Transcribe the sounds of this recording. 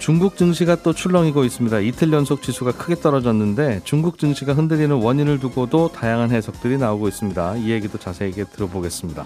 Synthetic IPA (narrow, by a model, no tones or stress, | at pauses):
t͡ɕuŋɡuk̚t͡ɕ͈ɯŋɕʰiɡat͈ot͡ɕʰuɭːʌŋiɡois͈ɯmɲidaitʰɯʎjʌnsʰok̚t͡ɕisʰuɡakʰɯɡe̞t͈ʌɾʌd͡ʑʌnːɯnde̞t͡ɕuŋɡuk̚t͡ɕ͈ɯŋɕʰiɡaɦɯndeɾinɯnwʌɲinɯɭtuɡodotajaŋɦanɦe̞sʰʌk̚t͈ɯɾinaoɡois͈ɯmɲidaie̞ɡidot͡ɕasʰe̞iɡe̞tɯɾʌboɡe̞s͈ɯmɲida̰